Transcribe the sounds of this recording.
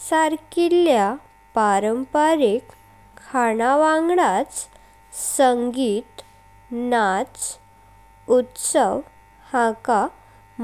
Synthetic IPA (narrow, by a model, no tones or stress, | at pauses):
saɾkilja | paɾəmpəɾekʰː | aɳaʋãŋɡɽat͡s | səŋɡiːt̪ | nat͡s | ut̪səʋ | hãka | m